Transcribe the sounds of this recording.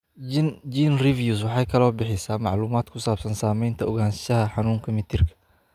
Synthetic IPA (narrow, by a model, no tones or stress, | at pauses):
d͡ʒiːnrivjus̬wɑħajkʰɐlɔbɪħɪsamaʕluːmaːd̪kʰʊsaːb̥sɐnsaːmɛɪnt̪ʰɐɔɣaːnsʃɐhɐħanuːŋkʰɐmɪt̪ʰɪrkʰɐ̥